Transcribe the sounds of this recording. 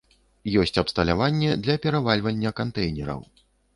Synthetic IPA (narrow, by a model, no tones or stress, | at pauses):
jɔsʲt͡sʲɐpst̪ɐlʲavanʲːɛd̪lʲɐpʲɛɾavalʲvɐnʲːɐkant̪ɛjnʲɛɾɐ̰w